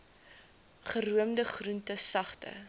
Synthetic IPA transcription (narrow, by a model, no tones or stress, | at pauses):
χəruəmdəχruntəsɐχtə̰